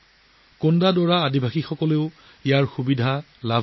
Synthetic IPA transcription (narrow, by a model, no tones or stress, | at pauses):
kondadɔɹaːdibʱaxixɔkɔleʊ | ijaɹxubidʱa | lab